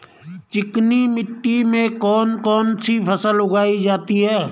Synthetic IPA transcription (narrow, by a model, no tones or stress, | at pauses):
t͡ʃɪknimɪʈːimẽkɔːnkɔːnsipʰəsəlʊɡaːid͡ʒaːt̪iɦɛː